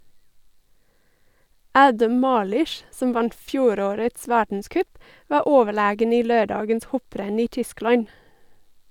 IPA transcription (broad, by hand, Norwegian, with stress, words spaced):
ˈæːdəm ˈmɑːlʏʃ ˈsɔm ˈʋɑnt ˈfjuːˌɾoːɾəts ˈʋæːɖɳ̩ˌskœp ˈʋɑː ˈoːʋəˌɭeːɡən ˈiː ˈløːˌɖɑːɡəns ˈhɔˌpɾɛn ˈiː ˈtʏˌsklɑɲ